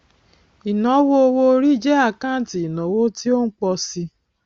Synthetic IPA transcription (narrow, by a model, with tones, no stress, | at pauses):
i˨nɔ̃˨˦wo˦o˧wo˧˦ɾi˦˨d͡ʒɛ˦a˦˨kã˦˨ti˨i˨nɔ̃˨˦wo˦ti˦o˦n̩˦k͡pɔ˧si˧